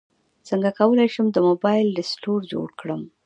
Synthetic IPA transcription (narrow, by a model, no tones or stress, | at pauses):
t͡səŋɡakawəlajʃəmd̪əmobɑjɪlɖɪsʈoɾd͡ʒo̰ɽkɽəm